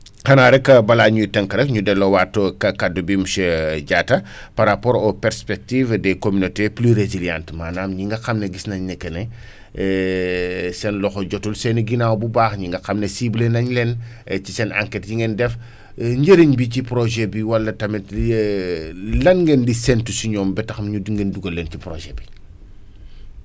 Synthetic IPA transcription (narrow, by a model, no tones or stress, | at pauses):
xɐnaːɾɛkːɐbɐlaːɲutɛŋkɾɛkɲudɛlɔwatːokɐkadubimsɛɟaːtɐ | pɐɾapɔːɾɔpɛɾspɛk̚tivdɛkomynoteplyɾeziljã̰ntmaːnaːmɲiŋɡɐxɐmneɡisnɐɲnɛkːɛnɛ | ɛ | sɛnlɔxɔɟɔtulsɛniɡinawbubaːxɲiŋɡɐxɐmnɛsiblenɐɲlɛncisɛna̰ŋkɛt̚jiŋɡɛndɛf | ɲɟəɾiɲbicipɾoʒɛbiwɐlːɐtɐmɛt | lɐnŋɡɛndisɛntusiɲɔːmbɛtɐxmɲudiŋɡenduɡɐlːɛncipɾoʒɛbi